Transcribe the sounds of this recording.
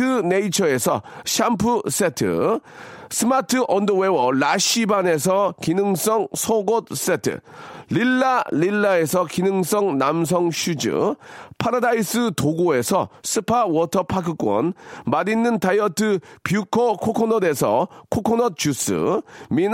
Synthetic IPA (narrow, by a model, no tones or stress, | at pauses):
ɯne̞it͡ɕʰʌe̞sʰʌɕʰampʰɯs͈e̞tʰɯ̰ | sʰɯmatʰɯʔʌndɯwewʌlaɕibane̞s̬ʰʌkinɯŋs͈ʌŋsʰʌɡot̚s͈etʰɯ̰lilːalilːae̞sʰʌkinɯŋs͈ʌŋnams̬ʰʌŋɕʰud͡ʑɯ̰pʰaɾadais͈ɯtoɡoe̞sʰʌs͈ʰɯpʰawʌtʰʌpʰakʰɯk͈wʌ̰nmadinːɯntajʌtʰɯpjukʰʌkʰokʰonʌde̞sʰʌkʰokʰonʌt̚t͡ɕus͈ɯ̰min